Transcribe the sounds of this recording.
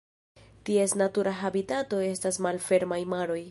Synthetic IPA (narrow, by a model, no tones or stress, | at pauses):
tie̞snatuɾʔaɦabitato̞e̞stasmalfe̞ɾmajmaɾo̞j